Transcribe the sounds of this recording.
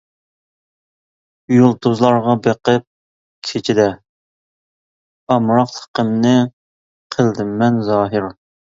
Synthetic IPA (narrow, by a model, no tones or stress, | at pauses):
ujulˠt̪ozlˠɑɾʁɑbeqəp̚ | kʲʰet͡ʃʰid̪ɛ | ɑmɾɑqt̪ʰə̥qəmnɨ | qʰəlˠd̪ɪmːɛnzɑːɦɪɾ